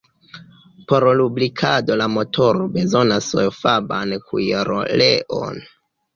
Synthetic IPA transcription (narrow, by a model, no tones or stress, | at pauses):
po̞ɾlublikʰado̞lamo̞tʰo̞ɾobe̞zo̞nasfabankʰṵjeɾo̰leʔo̰n